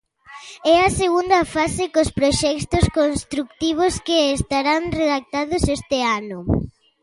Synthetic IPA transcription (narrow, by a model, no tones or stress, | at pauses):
ɛɐseɣund̪ɐfasekospɾoʃɛkt̪oskonst̪ɾukt̪iβ̞oskeːst̪aɾaŋreðak̚t̪aðʊsɛst̪ɪanʊ